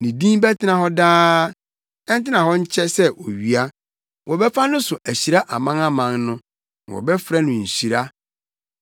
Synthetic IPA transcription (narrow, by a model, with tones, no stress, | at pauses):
nĩ˨dĩ˦bɛ˦tʰɪ˦nã˨hɔ˦daː˦ | ɛ˦n˦tɪ˦nã˨ɦɔ˦ɲ̩˦t͡ɕʰɛ˦sɛ˦ʔo˨ɥi˨a˦ | wʔɔ˨bɛ˦fa˦nʊ̃˦sʊ˨ʔæ˨ɕi˨ɾa˦ʔa˨mã˦na˦mã˨ŋnʊ̃˦˨ | wɔ̰˨bɛ˦fɾa˦nʊ̃˨ɲ̩˨ɕi˨ɾa˦